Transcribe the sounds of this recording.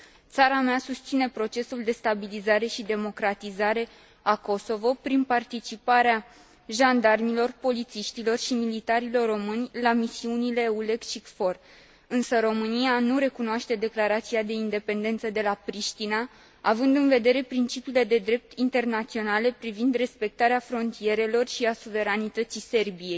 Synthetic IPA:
t̪saɾameasust̪sine̞pɾo̞t͡ʃe̞suld̪e̞st̪abilizaɾe̞ʃid̪e̞mo̞kɾat̪izaɾe̞ | ako̞so̞vo̞pɾinpart̪it͡ʃipaɾea | ʒand̪armilo̞rpo̞lit̪siʃt̪ilo̞rʃimilit̪aɾilo̞rro̞mɨnʲlamisiunile̞ule̞kʃikfo̞r | ɨnsəɾo̞mɨnianuɾe̞kunoaʃt̪e̞d̪e̞klaɾat̪siad̪e̞ind̪e̞pe̞nd̪e̞nt̪səd̪e̞lapɾiʃt̪inaː | vɨnd̪ɨnve̞d̪e̞ɾe̞pɾint͡ʃipiːle̞d̪e̞d̪ɾe̞p̚t̪ʰint̪e̞rnat̪sio̞nale̞pɾivind̪re̞spe̞k̚t̪aɾeafɾo̞nt̪ije̞ɾe̞lo̞rʃiasuve̞ɾanit̪ət̪sise̞rbije̞j

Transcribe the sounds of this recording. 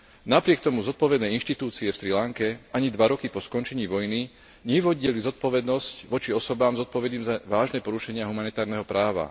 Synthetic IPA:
napɾɪɛk̚t̪ɔmuzɔt̪̚pɔʋɛd̪nɛinʃt̪it̪uːt͡siɛfsɾilaŋkɛaɲid̪ʋaɾɔkipɔskɔnt͡ʃɛɲiːʋɔjni | ɲɛʋɔɟɪɛlizɔt̪̚pɔʋɛd̪nɔscʋɔt͡ʃiɔsɔbaːmzɔt̪̚pɔʋɛd̪niːmzaʋaːʒnɛːpɔɾuʃɛɲɪaɦumanit̪aːɾnɛɦɔpɾʔaːʋa̰

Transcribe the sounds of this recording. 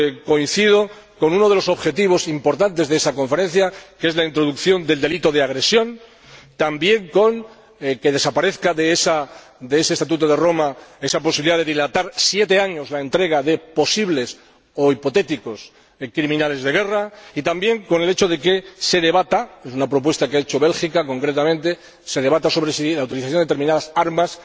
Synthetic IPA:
ko̞inθiðo̞ | ko̞nuno̞ð̞e̞loso̞βxe̞t̪iβ̞o̞simpo̞ɾt̪ant̪e̞zðe̞sako̞ɱfe̞ɾe̞n̟θjakee̞zlaint̪ɾoðukθjo̞nd̪e̞ld̪elit̪o̞ð̞eaɣɾe̞sjo̞n | t̪ambje̞ŋko̞ŋ | ke̞ðe̞sapaɾe̞θkaðeesa | d̪eeseːst̪at̪ut̪̬oð̞e̞ro̞mae̞sapo̞siβiliðaðe̞ðilat̪aɾsje̞t̪eaɲo̞zlae̞nt̪ɾe̞ɣ̞aðe̞po̞siβle̞s | o̞ipo̞t̪e̞t̪iko̞s | kɾimĩnale̞zð̞e̞ɣ̞e̞rait̪ambje̞ŋko̞ne̞let͡ʃoðe̞ke̞se̞ðe̞βat̪aesunapɾo̞p̬we̞st̪akeaet͡ʃo̞βe̞lxikako̞ŋkɾe̞t̪amẽ̞nt̪e | se̞ðe̞βat̪aso̞βɾesilawt̪iliθaθjonet̪eɾmĩnaðasaɾmas

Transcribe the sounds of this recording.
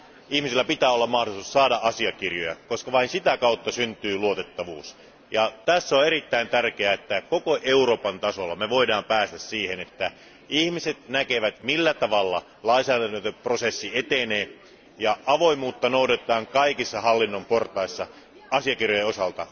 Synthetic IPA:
ihmisilːæpit̪æːolːɑmmɑhdolisuːssɑːdɑʔɑsiɑkirjojɑ̰koskɑʋɑinsit̪ækɑut̪ːɑsynt̪yːluot̪et̪ːɑʋuːs | jɑt̪æsːoeɾit̪ːæint̪ærkeæet̪ːækokoʔeuro̞ːpɑnt̪ɑsolːɑmeʋoidɑːmpæːst̪æssiːhenet̪ːæ | ihmiset̪nækeʋæt̪milːæt̪ɑʋɑlːɑ | lɑinsæːɾænnt̪øprosesːiet̪eneː | jɑʔɑʋoimuːt̪ːɑnouɾet̪ˑɑːŋkɑikisːɑhɑlːinːomport̪ˑɑisːɑ | ɑsiɑkirjojeosɑlt̪ɑ̰

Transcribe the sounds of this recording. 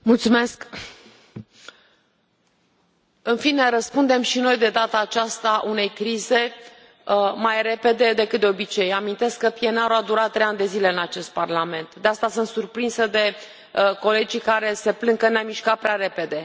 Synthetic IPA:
mult̪sume̞sk | ɨnfine̞ɾəspund̪e̞mʃino̞jd̪e̞d̪at̪aːt͡ʃast̪aʔune̞jkɾize̞ | majre̞pe̞d̪e̞d̪e̞kɨt̪d̪eobit͡ʃe̞jamint̪e̞skːəpie̞naɾuad̪uɾat̪ːɾejand̪e̞zile̞ɨnat͡ʃe̞st̪̚parlame̞nt̪d̪east̪asɨnt̪surpɾinsəd̪e̞ | ko̞le̞d͡ʒikaɾe̞se̞plɨŋkənamiʃkat̪̚pɾeaɾe̞pe̞d̪e̞

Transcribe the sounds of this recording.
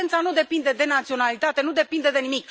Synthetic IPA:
nt̪sanud̪e̞pind̪e̞d̪e̞nat̪sio̞nalit̪at̪e̞nud̪e̞pind̪e̞d̪e̞nimik

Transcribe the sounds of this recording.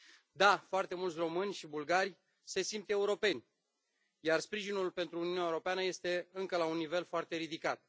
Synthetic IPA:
d̪afoart̪e̞mult̪sʲro̞mɨnʲʃibulɡaɾʲj | se̞simt̪e̞uɾo̞pe̞nʲ | jarspɾiʒinulpe̞nt̪ɾuniunʲaeuɾo̞peanəje̞st̪e̞ɨŋkəlaunːive̞lfoart̪e̞ɾid̪ikat̪̚

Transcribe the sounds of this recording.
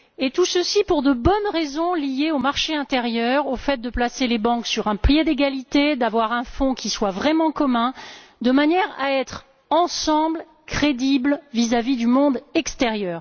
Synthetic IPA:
et̪usəsipuʁd̪əbɔnʁezɔ̃lijeomaʁʃeɛ̃t̪eʁjœʁofɛt̪̚d̪əplaselebɑ̃ksyʁɛ̃pljed̪eɡalit̪ed̪avwaʁɛ̃fɔ̃kʲiswavʁɛmɑ̃kɔmɛ̃d̪əmanjɛʁaɛt̪χ | ɑ̃sɑ̃bl | kχed̪iblvizavid̪ymɔ̃d̪ɛkst̪eʁjœːʁ

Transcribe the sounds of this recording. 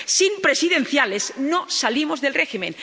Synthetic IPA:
simpɾesiðẽnθjalesnosalimozðelreximẽn

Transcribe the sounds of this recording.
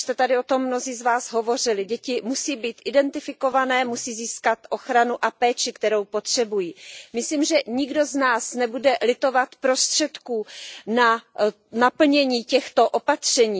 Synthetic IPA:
st̪ɛt̪adɪo̞t̪o̞mːno̞ziːzvaːsɦovo̞r̝ɪlɪɟɛcɪmusiːbiːt̪ʔɪdɛnt̪ɪfɪko̞vanɛːmusiːziːskat̪ʔo̞xɾanuʔapɛːt͡ʃɪkt̪ɛɾo̞wpot̪r̝̥ɛbujiːmɪsliːmʒɛɲɪɡdo̞znaːsnɛbudɛlɪt̪o̞vat̪pɾo̞st̪r̝̥ɛt̪kuːna | napl̩ɲɛɲiːcɛxt̪o̞ʔopat̪r̝̥ɛɲiː

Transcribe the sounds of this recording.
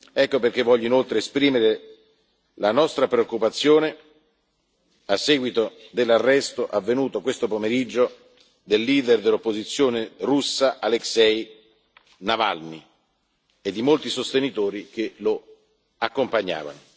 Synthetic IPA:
ɛkːoperk̟ːevːɔʎːoinolt̪ɾeːspɾiːmeɾe | lanɔst̪ɾapɾeokːupat̪sːjoːne | asːɛːɡwit̪od̪elːarːɛst̪oʔavːenuːt̪oakwest̪opomeɾid͡ʒːo | d̪elːiːd̪erd̪elːopːozit̪sːjoːnerusːaʔaleksɛj | nava̰lni | ed̪ːimolt̪isost̪enit̪oːɾik̟elo | akːompaɲːa̰ːva̰no

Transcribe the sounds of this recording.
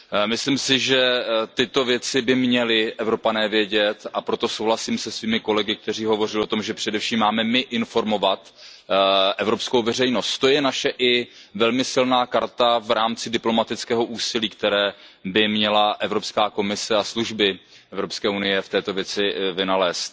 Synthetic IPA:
mɪslimsɪʒɛt̪ɪt̪o̞vjɛt͡sɪbɪmɲɛlɪʔɛvɾo̞panɛːvjɛɟɛt̪apɾo̞t̪o̞so̞wɦlasiːmsɛsviːmɪko̞lɛɡɪk̚t̪ɛr̝iːɦo̞vo̞rɪlɪo̞t̪o̞mʒɛpr̝̥ɛdɛfʃiːmːaːmɛmɪʔɪnfo̞ɾmo̞vat̪ | ʔɛvɾo̞pskowvɛr̝ɛjno̞st̪t̪o̞jɛnaʃɛʔɪ | vɛlmɪsɪlnaːkaɾt̪avɾaːmt͡sɪdɪplo̞mat̪ɪt͡skɛːɦoʔuːsɪliːkt̪ɛɾɛː | bɪmɲɛlaʔɛvɾo̞pskaːko̞mɪsɛasluʒbɪ | ʔɛvɾo̞pskɛːunɪjɛft̪ɛːt̪o̞vjɛt͡sɪvɪnalɛːst̪

